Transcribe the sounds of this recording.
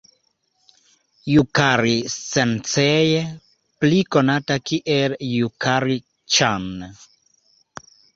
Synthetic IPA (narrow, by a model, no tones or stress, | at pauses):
jukaɾit͡sent͡seje | plikonatakiʔeljukaɾi | t͡ʃan